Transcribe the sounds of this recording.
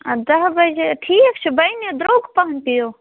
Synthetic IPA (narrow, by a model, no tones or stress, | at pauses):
ɐd̪ɐɦbɐd͡ʒʈʰiːkt͡ʃʰubɐjned̪ɾoːɡpɐɦɐnpijoː